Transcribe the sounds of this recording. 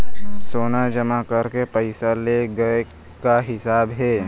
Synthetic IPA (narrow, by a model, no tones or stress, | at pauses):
soːnad͡ʒɐmakɐɾkepɐɪsaleɡɐe | kaɦɪsaːbɦɛː